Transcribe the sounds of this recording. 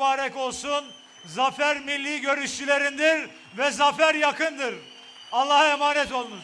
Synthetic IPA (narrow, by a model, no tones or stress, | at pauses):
baːɾɛko̞lˠsun | zafæɾmilʲːiːɟø̞ɾyʃt͡ʃʰylʲe̞ɾind̪iɾ | vɛzafæɾjakʰɯnd̪ɯɾ | alˠːahemaːnɛt̪o̞lˠnuɾ